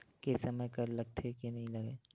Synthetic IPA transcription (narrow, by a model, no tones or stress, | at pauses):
kesɐmekɐɾlɐɡ̚t̪ʰekinɐɦĩlɐɡeː